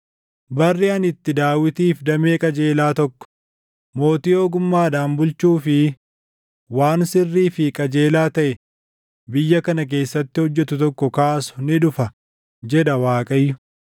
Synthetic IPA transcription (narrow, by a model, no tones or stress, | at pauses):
bɐrːiɐnɪt̪ːɪd̪aːwɪt̪iːfd̪ɐmeːkʼɐd͡ʒe̞ːlaːt̪ɔkːɔ̥ | mo̞ːt̪io̞ːɡʊmːaːd̪aːmbʊlt͡ʃuːfɪ | waːnsɪrːiːfɪkʼɐd͡ʒe̞ːlaːt̪ɐʔɛ | bɪjːɐkɐnɐk̬e̞ːsːɐt̪ːɪhɔd͡ʒːɛt̪ʊt̪ɔkːɔkaːsʊ̥nɪᶑʊfɐ | d͡ʒɛd̪ɐwaːkʼɐjːʊ̥